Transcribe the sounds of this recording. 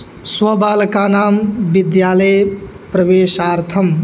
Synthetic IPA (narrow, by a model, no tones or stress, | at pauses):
swɐbaːlɐkaːnaːmʋid̪jaːləj | pɾɐʋeːʃaːɾt̪ʰɐm